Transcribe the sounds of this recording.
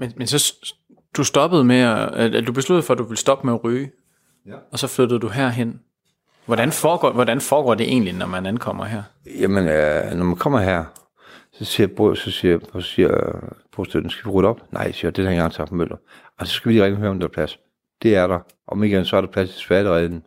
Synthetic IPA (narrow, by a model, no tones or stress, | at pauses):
menmensɒ̽ | d̥usd̥ɒ̽b̥əð̞̩ˠmed̥ub̥e̝slud̥ð̩ˠfɒ̽d̥uʋe̝lsd̥ɒ̽b̥meɒʁyː | ɒ̽sɒ̽flød̥ð̩ˠd̥uɦæɐ̰ɦen̰ | ʋɒd̥ænfɒːɡ̥ɒ̰ːʋɒdænfɒːɡ̥ɒ̰ːd̥e̝ʔe̝̰ːnlinɒmænæn̩kʰɒ̽m̰ɐɦæɐ̰ | jæmenønɒmænkʰɒ̽m̰ɐɦæɐ̰ | sɒ̽siːɐbosɒ̽siɐsiɐb̥ʰosd̥øn̩sɡ̥æʋiʁyd̥ɒ̽b̥nʔɑ̈ɪ̰siːɐd̥enhæɐeŋɡɑ̈ŋt͡sʰɑfɒmøl̰d̥ɐ | asɒ̽sɡ̥æʋidiʁeŋnihøːɐɒmd̥ehɑ̈pʰlæs | d̥e̝æɐɾ̥ɑ̈ | ʔɒ̽meɡ̥ensɒæɐɾ̥ɑ̈pʰlæsi̥e̥sʋ̥æɐɾəʁɛːn̩